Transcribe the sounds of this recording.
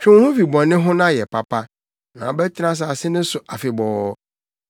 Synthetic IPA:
t͡ɕᶣɪ̃˦whʊ̃˦fi˨bɔ̃˨nːɪ̃˦ɦʊ̃˦nã˦˨jɛ˨pʰa˨pʰa˦ | nã˨bɛ˦tʰɪ˦ɾã˦s̬a˨a˨sɪ˦nʊ̃˦sʊ˨a˨fɪ˨bɔː˨˦

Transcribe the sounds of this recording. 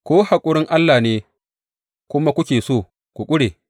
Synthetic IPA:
kʷoː˦ha˨kʷʼʊ˦ɽɪ˦ŋʔa˦lːaː˨neː˦ | kʷʊ˦ma˦kʷʊ˦kʲeː˨soː˦˨ | kʷu˨kʷʼʊ˦ɽeː˨

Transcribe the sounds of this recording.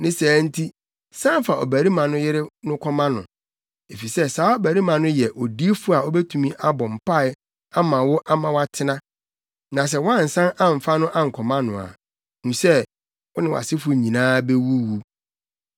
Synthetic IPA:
nɪ̃˦sæː˨˦n̩˦tʰi˦ | sã˦m˦fa˨ɔ˨bæ˨ɾi˦mã˨nʊ̃˦jɪ˦ɾɪ˦nʊ̃˦kʰɔ˦mã˦nʊ̃˨ | e˨fi˨sɛ˦saː˨˦o˦bæ˨ɾi˦mã˨nʊ̃˦jɛ˨ʔɔ˨di˦e˦fʊ˦a˨ɔ˦bɛ˦tʰũ˨mĩ˦ʔa˦bɔ̃˨m̩˨pʰa˦˨ɪ˨ | a˦mã˨wʊ˦ʔa˦mã˨wa˦tʰɪ˦nã˦ | nã˨s̬ɛ˦wã˦n̩˨sã˦nã˦m̩˨fa˦nʊ̃˦ʔã˦ŋ̩˨kʰɔ˨mã˦nʊ̰̃˨a̰˨ | nũ˨sɛ˦ | wʊ˦nɪ̃˨wa̰˨sɪ˦fʊ˨ɲĩ˨nãː˦be˦wu˦wu˨

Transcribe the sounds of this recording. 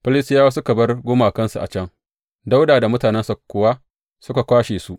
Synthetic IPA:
ɸɪ˦lɪ˦sɪ˦jaː˦waː˦s̬ʊ˦ka˨bɐ˦rɡʷʊ˦maː˨kɐ˦nsu˨ʔa̰˨t͡ʃɐ˦ŋ | da˦wdaː˨da˨mʊ˦taː˨nɛ˦nsa˨kʷːʊ˦˨wa˦ | sʊ˦ka˨kʷaː˦ʃeː˨su˦ʔ

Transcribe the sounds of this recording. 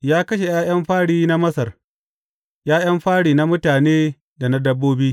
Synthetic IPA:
jaː˦kɐ˦ʃe˨jaː˦jɐ˦mɸaː˦ɽiː˦na˦mɐ˦sɐ˨r | jaː˦j̰ɐ˦mɸaː˦ɽiː˨na˦mʊ˦taː˨neː˦ | da˨na˦dɐ˦bːoː˦biː˦

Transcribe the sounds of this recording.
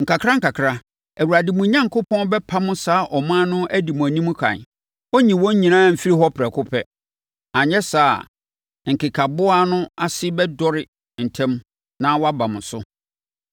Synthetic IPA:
ŋ̩˨ka˨kʰɾa˦ŋ̩˦kʰa˨kʰɾa˦ | æ˨wu˨ɾa˨dɪ˨mʊ̃˨˦ɲã˦ŋkʰʊ˦pʰɔ̃˦n˦bɛ˦pʰa˦mʊ̃˦saː˦ʔɔ˨mãː˦nʊ̃˦ʔæ˦di˨mũ˨æ˨nĩ˦mũ˦kʰã̰˨n | ɔ˦ɲĩ˨wɔ̃˦ɲ˦ɲĩ˨nãː˦m̩˨fi˦ɾi˦ɦɔ˦pʰɪ˨ɾɛ˨kʰʊ˦pʰɛ˦ | a˨ɲɛ̃˦sa̰ː˦˨ | ŋ̩˨kɪ˨kʰa˨bʊ˦a˦nʊ̃˦a˨sɪ˦bɛ˦dɔ˦ɾɪ˨ | n̩˨tʰɛ̃˦m | nã˦wɔ˦a˦ba˨mʊ̃˨sʊ˦

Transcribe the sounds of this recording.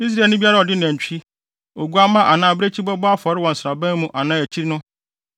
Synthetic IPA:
i˦s̬ɾa˨nʊ̃˦bi˦a˦ɾa˦˨ɔ˨dɪ˦ñ˨æ̃˨ɲ̩˨t͡ɕᶣi˦ | o˨ɡu˦a˦mã˦ʔa˨nãː˦˨be˦t͡ɕʰi˦bɔ˦bɔ˦a˦fɔ˨˦ɾɪ˦wɔ̃˨n̩˨sɾa˨bæ̃˦n˦mũ˦ʔa˨nãː˦˨æ˨t͡ɕʰi˦ɾnʊ̃˦

